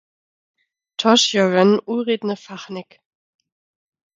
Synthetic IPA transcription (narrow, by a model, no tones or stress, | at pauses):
tʰɔʃjɔʁənʔuːʁeːdnəfaχnɪk